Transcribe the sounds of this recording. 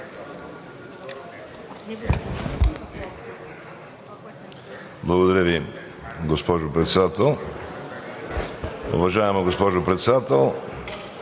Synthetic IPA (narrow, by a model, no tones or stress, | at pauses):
blˠɐɡod̪ɐɾʲjəvi | ɡospɔʒʊpɾɛt̪sɛd̪at̪ɛlˠ | ʊ̰vɐʒaɛməɡospɔʒʊpɾɛt̪sɛd̪at̪ɛlˠ